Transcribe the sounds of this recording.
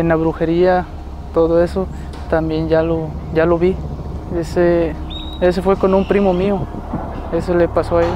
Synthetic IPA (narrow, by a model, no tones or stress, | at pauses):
enaβɾuxeɾia | t̪oðoeso | t̪ambjend͡ʒalo | ʝaloβi | ese | es̬ofwekonumpɾimomĩo | esolepasoai